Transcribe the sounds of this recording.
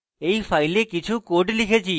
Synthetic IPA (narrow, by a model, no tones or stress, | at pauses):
ejfajlekit͡ɕʰukoɾʈlikʰet͡ɕʰi